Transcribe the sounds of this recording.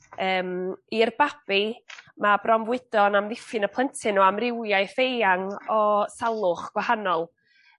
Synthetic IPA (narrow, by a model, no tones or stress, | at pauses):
əːmirbab̥imabrɔmvwɪd̥ɔnamðɪfɨnəpʰlˠəntʰɨnɔamrɪwjajθejaŋɔsalˠʊχɡ̥wahanɔlˠ